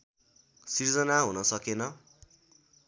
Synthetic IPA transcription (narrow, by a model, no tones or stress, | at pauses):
sird͡zʌnaɦunʌsʌkenʌ